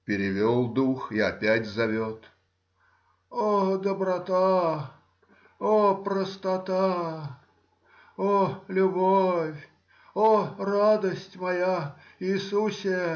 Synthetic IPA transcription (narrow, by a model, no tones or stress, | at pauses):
pʲɪɾʲɪvʲolˠd̪uxɪɐpʲætʲzɐvʲot̪ | od̪əbɾɐt̪a | opɾəst̪ɐt̪a | olʲʊbofʲ | orad̪əsʲtʲmɐja | iɪːsusʲɪə